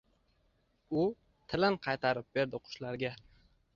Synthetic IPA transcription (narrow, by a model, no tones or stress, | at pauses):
ʊ | t̪ʰɪlɪnqʰɑjt̪ʰaɾɪp̚be̞ɾd̪ɪqʰʊ̥ʃlaɾɡʲa